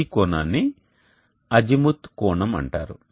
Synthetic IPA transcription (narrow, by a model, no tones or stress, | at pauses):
ikɔːnaːnːi | ɐd͡ʒimut̪kɔːɳɐmɐ̰ɳʈaːɾu